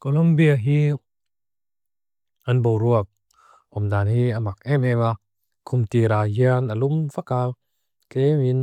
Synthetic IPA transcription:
kolɔmbiaɦi | anbowɾuɐk̚ | ʔɔmdaːnhiamak̚ɛmɛba | kʰumtiɾajianalumvaka | kemin

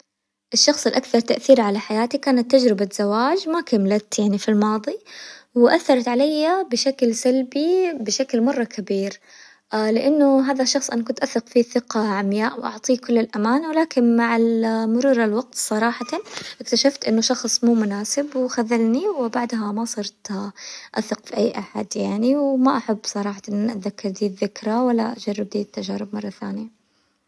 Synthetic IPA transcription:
ʔɪʃːɑxsˤɪlʔakθɑɾˤt̪aʔθiːɾʕalaħajaːt̪ikaːnat̪ːad͡ʒɾɪbaz̥awaːd͡ʒmakamlat̪jaʕnifilmɑːðˤiwʔaθːɑɾˤɑt̪ʕalajːabɪʃaklsalbibɪʃaklmɑrˤːɑkʰabiːɾ | lɪʔanːʊɦaːðaʃːɑxsˤʔa̰nakʊnt̪ʔaθːɪqfiθɪqaʕamjaːʔwʔɑ̰ʕt̪ˤiːkʊlːɪlʔamaːnwɪlaːkɪnmaʕalmʊɾuːɾɪlwɑɡt̪sˤɑɾˤɑːħɑt̪aʔɪkt̪aʃaft̪ʔɪnːʊʃɑxsˤmuːmʊnaːsɪbwxaðːalniwɪbaʕd̪ɦamasˤɑɾˤt̪ʔaθɪqfiʔajːʔaħa̰d̪jaʕniwmaʔaħabːsˤɑɾˤɑːħɑʔɪnːaʔaðakːɪɾˤd̪iːðːɪkɾawalːa̰ʔad͡ʒɑrːɪb̚d̪iːt̪ːaʒaːɾɪbmɑrˤːɑθaːnɪja

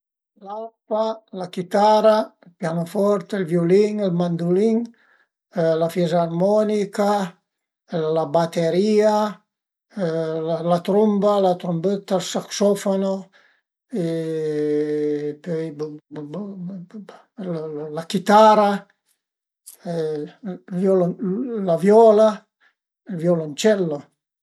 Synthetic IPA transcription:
lalpalakit̪aɾapjanofɔɾt̪elvjoliŋɛlmand̪uliŋ | lafjɛzaːrmɔnika | labat̪eɾia | lalat̪ɾumbalat̪ɾumbet̪ːalsaksɔfono | e | pøj | llakit̪aɾa | vjɔllavjɔːla | lvjɔlont͡ʃɛlːo

